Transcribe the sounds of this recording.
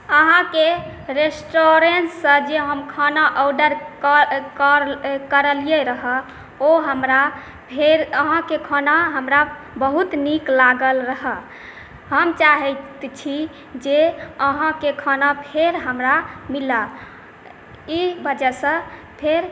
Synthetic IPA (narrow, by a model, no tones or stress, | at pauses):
əɦãke | ɾesʈoɾensə̃d͡ʒeɦəmkʰanaʔəwɖəɾkkɾkəɾəlijeɾəɦə | oɦəmɾa | pʰeɾəɦãkekʰanaɦəmɾa | bəɦut̪niklaɡəlɾəɦə | ɦəmt͡ʃaɦɛtt̪t͡ʃʰi | d͡ʒeəɦãkekʰanapʰeɾɦəmɾamila | ibəd͡ʒɛsə̃ | pʰeɾ